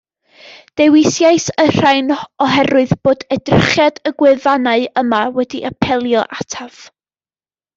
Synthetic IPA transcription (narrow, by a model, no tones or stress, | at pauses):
d̥ɛwɪsjajsər̥ajnɔɦɛɾʊɨðb̥oːdɛdrɪχjadəɡwɨvanaɨəmawɛdiʔapʰɛlˠjɔʔatʰav̥